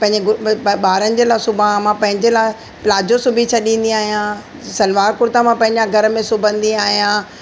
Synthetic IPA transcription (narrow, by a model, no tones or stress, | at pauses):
pɐ̃ɦɪ̃ɲd͡ʑeɡʊɓaːɾənɪ̆d͡ʑeːlaːsʊbʱãmãpɐ̃ɦɪ̃ɲd͡ʑeːlaː | plaːd͡ʑosʊbʱit͡ɕʰɐɗĩːn̆d̪ĩaːɦijã | sɐlʋaːɾkʊɾt̪amãpɐ̃ɦɪ̃ɲd͡ʑãɡʱɐɾə̆mẽsʊbʱə̃nd̪iaːɦijãː